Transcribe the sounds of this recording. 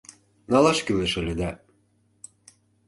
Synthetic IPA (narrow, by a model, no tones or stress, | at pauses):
nɑlɑʃkyleʃɘ̆lʲĕd̪æ